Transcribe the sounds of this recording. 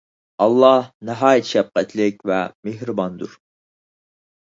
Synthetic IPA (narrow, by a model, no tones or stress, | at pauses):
ɑlˠːɑhnɨɦɑːjɛt̪ʰʃɛf̚qɛt̪ʰlɪkʲvɛmehɾɨbɑnd̪uɾ